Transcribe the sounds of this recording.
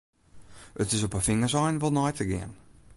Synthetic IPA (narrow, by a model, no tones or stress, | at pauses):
ətɪs̬opəfɪŋəsɔjnʋɔlˠnɔjtəɡɪ̰ən